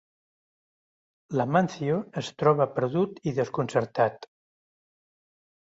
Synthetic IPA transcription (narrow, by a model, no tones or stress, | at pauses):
ləmanθioəst̪ɾɔβəpəɾðut̪iðəskunsəɾt̪at̪